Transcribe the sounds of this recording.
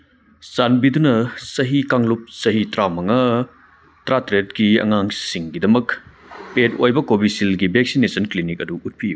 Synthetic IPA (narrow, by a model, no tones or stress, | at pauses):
sanbidunɐsɐɦikaŋlup̚sɐɦitɾamɐŋɐ | tɾatɾetɡiɐ̰ŋaŋsiŋɡidɐmɐk | petojbɐkobisilɡibʱek̚sinesɐnklinikɐduːt̚pʰiju